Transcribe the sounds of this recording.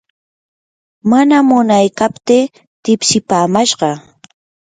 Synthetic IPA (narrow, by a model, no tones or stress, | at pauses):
manamʊnajkapt̪ɪ | t̪ɪpsɪpaːmaʃɢɑ